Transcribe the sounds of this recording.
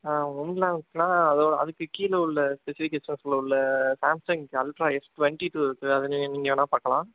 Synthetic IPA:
ʊmlãːnkːɯnaːɐðoːɽɐ̰ðɯkːɯkiːlɐʊɭːɐspɛsɪfɪkeːsɐnslɐʊɭːɐsaːmsɐŋɡɐlʈɾaːɛsʈʋɛɳʈiʈuːɪɾɯkːɯɐðɯnːɯnɪŋɡõːnãːpaːɾkɐɭãː

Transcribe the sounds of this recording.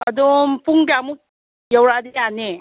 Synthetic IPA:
ɐdompuŋbamuk̚ | jawɾadejane

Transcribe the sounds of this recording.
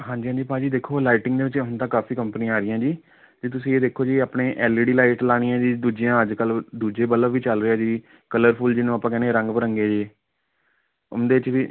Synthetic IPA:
ɦãːd͡ʒiːɦãːd͡ʒiːpãːd͡ʒiːd̪eːkʰoːlaːɪʈɪŋɡd̪eːʋɪt͡ʃnt̪ãːkaːfiːkəmpnĩãːaːɾɪjãːd͡ʒiː | d͡ʒ̪iːt̪̬ʊsĩːeːd̪eːkʰːoːd͡ʒiːaːpɳeːʔɛːliːɽiːlaːɪʈlaːɽ̃iːjãːd͡ʒiːd̪uːd͡ʒɪjãːəd͡ʒkəld̪uːd͡ʒeːbələʋiːt͡ʃəlɾeaːd͡ʒiː | kələɾpʰuːld͡ʒɪnũːapãːkɛːneːɾə̃ŋɡpəɾəŋɡeːd͡ʒeː | ʊ̰nd̪eːɪt͡ʃʋiː

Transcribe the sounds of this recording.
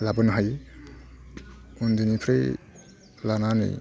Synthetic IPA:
labɯnɦaj | und̪inipʰɾe | lananɯ̰j

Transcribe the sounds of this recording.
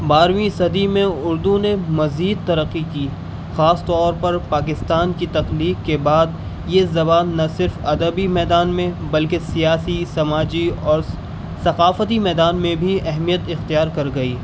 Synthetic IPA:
baːɾmĩsɐd̪imẽʊɾd̪ũnemɐziːd̪̚t̪ɐɾəqːikiː | xaːst̪ɔːɾpɐɾpaːk̬ɪst̪aːnkit̪ɐqliːkkebaːd̪̚ | jezɐbaːnːɐsɪɾfɐd̪əbimɛːd̪aːnmẽbɐlkesijaːsisɐmaːd͡ʒiɔːɾ | sɐqaːfət̪imɛːd̪aːnmẽbʱiɛɦmijət̪ɪxt̪ijaːɾkɐɾɡɐiː

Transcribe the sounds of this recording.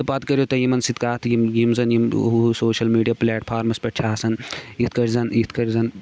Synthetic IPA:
t̪ɐpaːt̪kɐɾiot̪ɐjimɐnsit̪kaːt̪ʰjimjimzɐnjim̰ɦusoːʃɐlmiːɖijaːpleːʈpʰaːɾmɐspɐʈt͡ʃʰaːsɐnit̪̚ʰkɐɾʲzɐnit̪ʰkɐɾzɐn

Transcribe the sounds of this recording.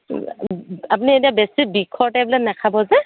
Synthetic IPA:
apunietiabɛsibikʰːɔɹtajblatnakʰabɔzɛ

